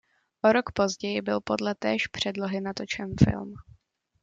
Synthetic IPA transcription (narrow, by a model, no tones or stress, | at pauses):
ʔoɾo̞kpo̞zɟɛjɪbɪlpo̞dlɛt̪ɛːʃpr̥ɛdlo̞ɦɪnat̪ot͡ʃɛnfɪ̰lm